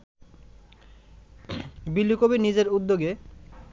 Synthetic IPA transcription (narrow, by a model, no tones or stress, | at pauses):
bilːikobinid͡ʑeɾud̪ːoɡe